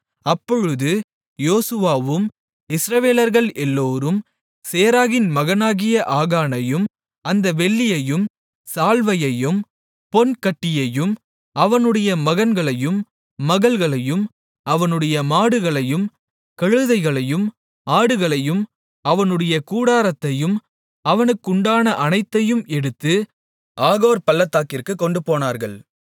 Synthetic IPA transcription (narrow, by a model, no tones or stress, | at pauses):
ɐpːɔɻɯðɯ | joːsɯʋaːʋɯm | ɪsɾɐʋeːlɐɾɣɐɭʔɛlːoːɾɯm | seːɾaːɣɪnmɐɣɐnaːɣɪjɐʔaːɣaːnɐjɯm | ɐnd̪ɐʋɛɭːɪjɐjɯm | saːlʋɐjɐjɯm | pɔnkɐʈːɪjɐjɯm | ɐʋɐnɯɽɐjɐmɐɣɐnɡɐɭɐjɯmː | ɐɣɐlɣɐɭɐjɯm | ʔɐʋɐnɯɽɐjɐmaːɽɯɣɐɭɐjɯm | kɐɻɯðɐɪɣɐɭɐjɯm | ʔaːɽɯɣɐɭɐjɯm | ɐʋɐnɯɽɐjɐkuːɽaːɾɐt̪ːɐjɯm | ɐʋɐnɯkːʊɳɖaːnɐʔɐnɐɪt̪ːɐjɯmɛɽɯt̪ːɯ | ʔaːɣoːɾpɐlːɐt̪ːaːkɪrkɯkːɔɳɖɯpoːnaːɾɣɐɭ